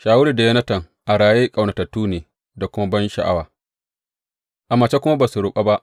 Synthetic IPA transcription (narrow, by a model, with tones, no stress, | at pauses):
ʃaː˨wʊ˦ɾiː˨da˨jɐ˦nɐ˦tɐ˨ŋ | ʔa˨ɽaː˨jeː˦kʼa˨wna˨ta˨tːuː˦neː˨ | da˨kʷʊ˦ma˦bɐ˦nʃa̰˨ʔa˦waː˨ | ʔa˨ma˨t͡ʃa˦kʷʊ˦ma˦ba˨su˨ɽʊ˨ɓʼa˦ba˦ʔ